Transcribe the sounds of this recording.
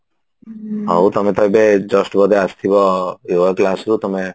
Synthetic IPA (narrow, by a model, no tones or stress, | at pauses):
ɔwt̪ɔmet̪ɔjbed͡ʒɔsʈbɔd̪east̪ʰibɔjuəklasɾut̪ɔme